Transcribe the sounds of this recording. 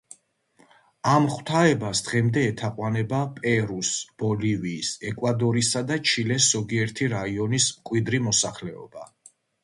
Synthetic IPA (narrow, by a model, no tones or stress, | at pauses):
amχw̥t̪ʰaɛbasd̪̥ʁɛmd̪ɛːt̪ʰaqʼwanɛbapʼɛɾusb̥ɔliviːsɛkʼwad̪ɔɾisad̪at͡ʃʰilɛszɔɡiɛɾt̪ʰiɾaiɔnismkʼwid̪ɾimɔsaχlɛɔ̰b̥a